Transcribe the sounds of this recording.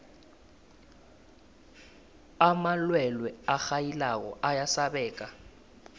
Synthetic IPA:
amalwɛlwɛaxajilak̬ɔ̰ʔajasaɓɛːk̬ʼa

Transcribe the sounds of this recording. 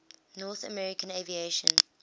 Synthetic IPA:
nɔθə̰mɛɹɪkə̃nevieʃə̰̃n

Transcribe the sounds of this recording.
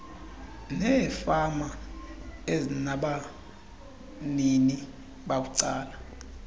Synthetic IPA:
nɛfama | enaɓa | nini | ɓakuǀaːla

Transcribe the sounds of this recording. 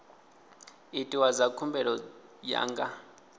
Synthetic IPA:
itʼiwazakʰumbɛɺɔja̰ːŋɡa

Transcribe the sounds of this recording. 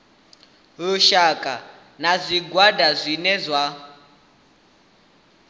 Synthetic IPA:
luʃakʼa | nazʷiɡwadazʷinɛzʷa

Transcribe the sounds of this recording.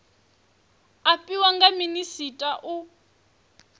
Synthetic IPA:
apʼiwaŋɡaminisitʼaʔu

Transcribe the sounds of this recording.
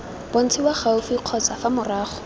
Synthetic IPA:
b̥on̩t͡sʰiwaχaʊfiq͡χʰɔt͡safamʊraːχʊ̥

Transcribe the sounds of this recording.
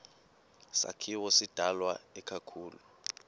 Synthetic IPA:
sa̰kʰiwɔsid̥ʱalwaɛkʰakʰuːlu

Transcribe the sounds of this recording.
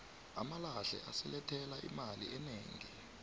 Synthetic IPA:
a̰malaɬɛ̰ʔasɛlɛtʰɛlaʔimaliɛneːŋi

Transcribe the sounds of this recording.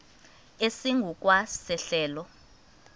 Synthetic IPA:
esiŋɡʱuk̬wasɛɬɛːlɔ

